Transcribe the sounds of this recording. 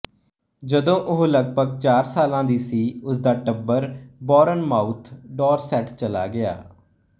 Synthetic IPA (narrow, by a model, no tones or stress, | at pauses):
d͡ʒəd̪õːʔʊɦləɡbʱəɡt͡ʃaːɾsaːlãːd̪iːsiːʊs̬d̪aːʈəbːəɾbɔːɾənmaːut̪ʰɖɔːɾsɛʈt͡ʃəla̰ːɡɪa̰ː